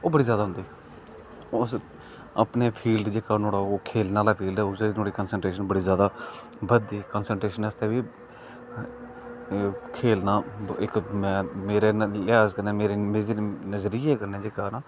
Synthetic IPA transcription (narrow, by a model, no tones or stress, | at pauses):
oːbəɽiːzjaːd̪aːɦʊ̃nd̪iː | ʊs | əpneːpʰiːlɖd͡ʒeːkaːnoːɽaːoːkʰeːlnaːlaːpʰiːlɖɛːʊsnoːɽiːkənsəɳʈɾeːʃənbəɽiːzjaːd̪aː | bəd̪iːkənsəɳʈɾeːʃənɛst̪eːʋiː | kʰeːlnaːɪkmɛ̃ːmeːɾeːlɛːskəɾneːmeːɾeːmeːzenəzɾiːeːkəɾneːd͡ʒeːkaːnaː